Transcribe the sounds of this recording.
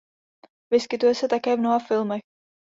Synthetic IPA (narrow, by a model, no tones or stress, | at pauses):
vɪskɪt̪ujɛsɛt̪akɛːvnoɦafɪlmɛx